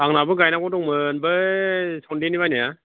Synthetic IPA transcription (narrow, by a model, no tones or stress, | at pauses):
aŋnabɯɡajnakɔtɔŋmɯnbɯsɔndiniβajnija